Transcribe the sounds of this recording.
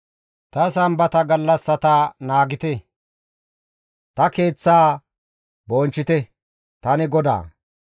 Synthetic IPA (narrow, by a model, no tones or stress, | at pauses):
t̪ɐs̬ɐmbɐt̪ɐɡɐlːɐsːɐt̪anaːɡɪt̪ɛ | t̪ɐke̞ːt͡sːaː | boːnt͡ʃːɪt̪ɛ | t̪ɐnɪɡɔd̪a̰ː